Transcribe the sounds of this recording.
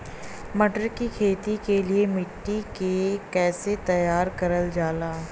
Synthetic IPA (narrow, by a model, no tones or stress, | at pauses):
mɐʈəɾkikʰeːt̪ikeliemɪʈːikekɛːset̪ɐjaːɾkɐɾəld͡ʒaːlaː